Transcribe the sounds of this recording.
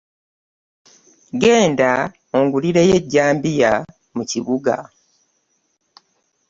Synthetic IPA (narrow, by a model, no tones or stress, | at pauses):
ɡe̞ːnda | oŋɡuliɾe̞je̞ɟːaːmbija | muciβuɡa̰